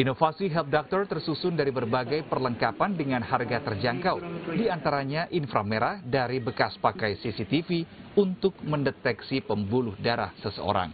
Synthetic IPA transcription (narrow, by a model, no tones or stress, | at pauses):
ʔinofasiɦɛlp̚dɔk̚t̪ɔrt̪ərsusʊndaɾibərbaɡajpərləŋkapandəŋanharɡat̪ərd͡ʒaŋkawdiant̪aɾaɲaʔinfɾa̰meɾahdaɾibəkaspakajsisit̪ifiunt̪ʊk̚məndət̪ɛksipəmbulʊhdaɾa̰hsəsəo̰ɾa̰ŋ